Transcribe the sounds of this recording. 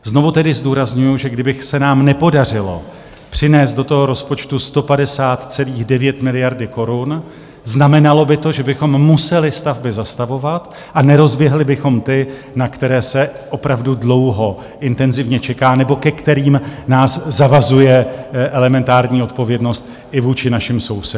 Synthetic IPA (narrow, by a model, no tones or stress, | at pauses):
zno̞vut̪ɛdɪzduːɾazɲujʊʒɛɡdɪbɪxsɛnaːmnɛpo̞dar̝ɪlo̞ | pr̝̥ɪnɛːst̪̚do̞t̪o̞ɦo̞ɾo̞spo̞t͡ʃt̪ust̪o̞padɛsaːt̪t͡sɛliːɣdɛvjɛt̪mɪlɪjaɾdɪko̞ɾun | znamɛnalo̞bɪt̪o̞ʒɛbɪxo̞mːusɛlɪst̪avbɪzast̪avo̞vat̪ | ʔanɛɾo̞zbjɛɦlɪbɪxo̞mt̪ɪ | nakt̪ɛɾɛːsɛʔo̞pɾavdudlo̞wɦo̞ | ʔɪnt̪ɛnzɪvɲɛt͡ʃɛkaːnɛbo̞kɛkt̪ɛɾiːmnaːszavazujɛʔɛlɛmɛnt̪aːɾɲiːo̞t̪̚po̞vjɛdno̞st̪ | ɪvuːt͡ʃɪnaʃɪmso̞wsɛ